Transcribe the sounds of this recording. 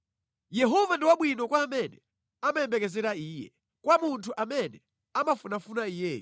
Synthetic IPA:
jɛɦɔvandiwaɓwinɔkwaːmɛnɛ | amajɛmbɛkɛzɛɾaiːjɛ̰ | kwamuntʰuʔamɛnɛ | amafunafunaijɛː

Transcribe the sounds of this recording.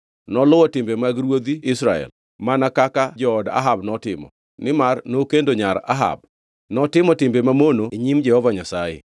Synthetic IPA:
nɔlʊwɔtɪmbemaɡɾwod̪iɪsɾaɛ̰l | manakakad͡ʒɔːda̰ɦabnɔtɪmɔ̰ | nɪmarnokendoɲaɾa̰ɦa̰b̚ | nɔtɪmɔtɪmbemamonoeɲimd͡ʒɛhɔvaɲasajḛ

